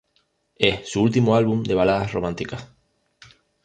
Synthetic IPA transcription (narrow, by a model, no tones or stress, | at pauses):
essuult̪imoalβumd̪eβalaðasromãnt̪ikas